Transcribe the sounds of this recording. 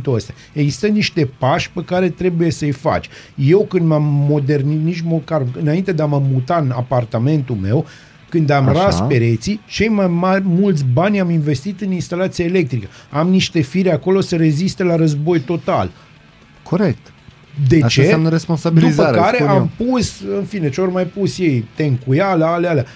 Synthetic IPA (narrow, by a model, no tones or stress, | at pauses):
t̪oəst̪eja | eɡzi̥st̪əniʃt̪e̞paʃʲpekaɾe̞t̪ɾe̞buje̞səɨjfa̰t͡ʃʲ | je̞wkɨnd̪mamːo̞d̪e̞rniniʃmokaɾulɨnaint̪e̞d̪eaməmut̪aɨnapart̪ame̞nt̪ulme̞w | kɨnd̪amɾaspe̞ɾe̞t̪sit͡ʃe̞jmajmarʲmult̪sʲbanʲaminve̞st̪it̪ɨninst̪alat̪sijaele̞k̚t̪ɾikəamniʃt̪e̞fiɾeako̞lo̞səɾe̞zist̪e̞laɾəzbo̞jt̪o̞t̪a̰l | kʰoɾek̚t̪ | d̪e̞t͡ʃesamnəɾesponsabdid̪uizəkaɾe̞ampusɨnfine̞t͡ʃeorʲmajpusje̞jt̪e̞ŋkujaləaleala